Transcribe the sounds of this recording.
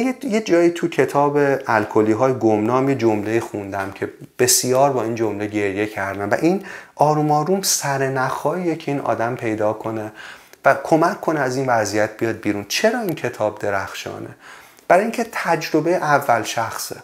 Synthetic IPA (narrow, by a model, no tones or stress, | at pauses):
jjed͡ʒɒːjiːt̪ʰucʰe̞t̪ʰɒːbeælkʰoliːɦɒːjeɡomnɒːmje̞d͡ʒomle̞iːxund̪æmcʰe̞b̥e̞sijɒːɾbɒːind͡ʒomle̞ɟe̞ɾje̞cʰæɾd̪æmvæ̰ʔinɒːɾuːmɒːɾumsæɾenæxɒːiecʰeiːnʔɒ̰ːd̪æmpʰe̞jd̪ɒːkʰo̞ne̞vækʰomækʰːo̞nɛæziːnvæzijæt̪̚ʰbijɒːd̪̚biːɾunt͡ʃʰe̞ɾɒːiːncʰe̞t̪ʰɒːb̚d̪e̞ɾæxʃɒ̰ːnḛ | b̥æɾɒːjiːŋcʰet̪ʰæd͡ʒɾobejeʔævːælʃæxsḛ